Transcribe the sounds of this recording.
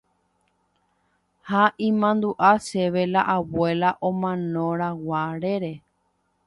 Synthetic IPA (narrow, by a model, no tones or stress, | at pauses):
haʔĩmãnd̪uʔaʃe̞ʋe̞laʔawe̞laʔõmãnõɾawaɾeɾe̞